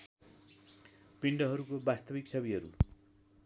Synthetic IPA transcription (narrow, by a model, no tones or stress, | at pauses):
piɳɖʌɦʌɾukobast̪ʌbiksʌbiɦʌɾṵ